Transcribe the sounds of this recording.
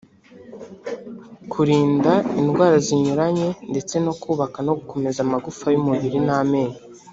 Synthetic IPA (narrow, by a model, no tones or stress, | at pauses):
kʰuɾiːndainɡwaːɾaziɲuɾaɲe̞nde̞t͡se̞no̞kuːβakanoɡuko̞me̞zamaɡufajumuβiɾinaːme̞ːɲe